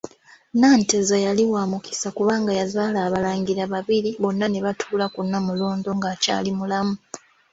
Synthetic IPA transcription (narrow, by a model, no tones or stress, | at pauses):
naːntezajaliwaːmuki̥sakuβaːŋɡajazaːlaːβalaːŋɟiɾaβaβiɾiβo̞nːane̞βatʰuːlakunːamulo̞ːndo̞ŋɡaca̰ːlimulamu